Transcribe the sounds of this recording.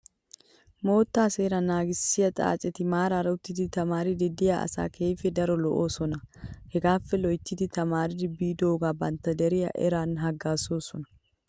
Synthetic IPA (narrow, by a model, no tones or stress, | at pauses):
mo̞ːt̪ːaːse̞ːɾɐnaːɡɪsːɪjɐt̪ʼa̰ːt͡ʃʼɛt̪ɪmaːɾaːɾɐʊt̪ːɪt̪ɪt̪ɐmaːɾɪd̪ɪd̪ɪjaɐ̰sa̰ːkʰeːfɛd̪ɐɾɔlɔʔoːsɔnɐhɛɡaːfɛlɔjt̪ːɪt̪ɪt̪ɐmaːɾɪd̪ɪbːiːd̪o̞ːɡaːbɐnt̪ɐd̪ɛɾɪjɐ̰ʔɛ̰ɾaːnɦɐɡːaːso̞ːsɔnɐ̥